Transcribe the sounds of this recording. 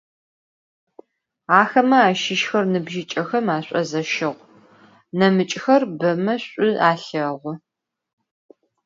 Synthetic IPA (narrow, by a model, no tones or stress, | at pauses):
aːxɐmɐaːʃɪʃxɐrnɨbʒɪt͡ʃʼɐxɐmaːɕʷʼɐ̰zɐʃɪʁʷ | nɐmɨt͡ʃʼxɐrbɐmɐɕʷʼʊaːɬɐʁʷʊ